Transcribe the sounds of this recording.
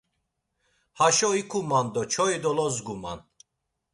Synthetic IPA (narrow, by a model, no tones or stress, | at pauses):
haʃɔikʰumand̪ɔt͡ʃʰɔid̪ɔlɔzɡuma̰n